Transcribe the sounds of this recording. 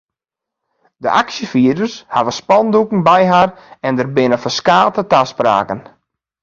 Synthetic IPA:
də̰ʔaksjəfiədərsha̰vəspɔndukŋ̩bɛjɦarɛndərbɪnəfəskaːtətaspra̰ːkən

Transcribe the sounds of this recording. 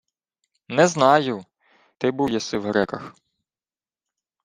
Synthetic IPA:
nɛznɑjʊ | t̪ɪbujɛsɪwɦɾɛkɐx

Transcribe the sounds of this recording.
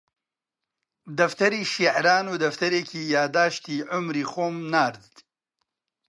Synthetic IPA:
d̪ɐft̪ɐɾiːʃiʕɾaːnuːd̪ɐft̪ɐɾeːkʰiːjaːd̪aːʃt̪iːʕʊmɾiːxoːmnaːɾd̪d̪

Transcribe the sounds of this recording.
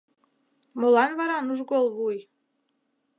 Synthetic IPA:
molɑnβɑɾɑnuʒɡolˠβuj

